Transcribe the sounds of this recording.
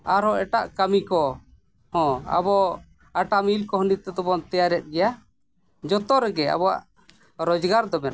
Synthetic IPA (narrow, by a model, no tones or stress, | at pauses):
aɾɔʔɛʈaʔkamikɔ | hɔ̃a̰bɔ | aʈamilkɔɦnit̪ɛt̪ɔbɔnt̪ɛjaɾɛt̪̚ˀɡɛja | d͡ʒɔt̪ɔɾɛɡɛa̰bɔwa̰ʔ | ɾɔd͡ʒɡaɾd̪ɔmɛt̪